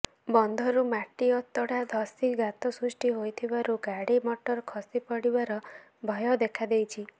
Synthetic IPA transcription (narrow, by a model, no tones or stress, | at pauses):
bɔnd̪ʱɔɾumaʈiɔt̪ɔɽad̪ʱɔsiɡat̪ɔsɾusʈiɦojt̪ʰibaɾuɡaɽimɔʈɔɾkʰɔsipɔɽibaɾɔ | bʱɔjɔd̪ekʰad̪ejt͡ʃʰi